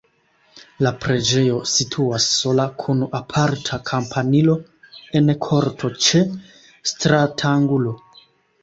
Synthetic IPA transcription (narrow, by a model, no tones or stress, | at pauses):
lapɾe̞d͡ʒe̞jo̞sitʰuasːo̞lakʰunapʰaɾtʰakʰampʰanilo̞ | e̞nkʰo̞ɾtʰo̞t͡ʃe̞ | stɾatʰaŋɡulo̞